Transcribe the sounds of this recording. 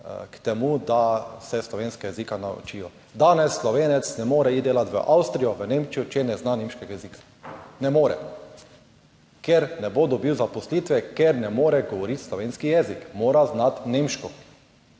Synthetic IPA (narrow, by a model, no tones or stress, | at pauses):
kt̪ɛmud̪asɛslɔʋeːnskajɛzikanaṵt͡ʃiːjɔ | d̪aːnɛsːlɔʋeːnɛt̪snɛmoːɾɛid̪eːlat̪ʋə̰ʔawst̪ɾijɔʋənemt͡ʃijut͡ʃɛnɛznaneːmʃkɛɡajɛziːkḁ | nɛmoːɾɛ̰ | kɛɾnɛbod̪ɔbiwzapɔslit̪ʋɛkɛɾnɛmoːɾɛɡɔʋɔɾit̪slɔʋeːnskijɛzikmoːɾaznat̪neːmʃkɔ